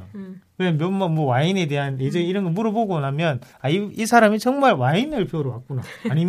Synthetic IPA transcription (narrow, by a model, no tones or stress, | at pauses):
kɯmjʌmʌmwʌwaine̞de̞ɦaned͡ʑeiɾʌnɡʌmuɾʌboɡonamjʌn | aiisʰaɾamid͡ʑʌŋmaɭwainɯɭpʰjouɾowa̰k͈̚una̰ːɲi